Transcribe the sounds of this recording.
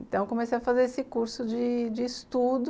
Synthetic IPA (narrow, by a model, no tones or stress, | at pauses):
ĩt̪ɐ̃w̃kõmesejɐfazeɾesɪkuɾsʊd͡ʒɪd͡ʒɪːst̪ud̪ʊ